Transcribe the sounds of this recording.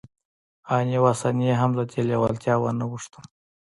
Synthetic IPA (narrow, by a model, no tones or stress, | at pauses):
ɑnjewasɑnijeɦamlad̪elewalt̪jɑwanawuʂt̪əl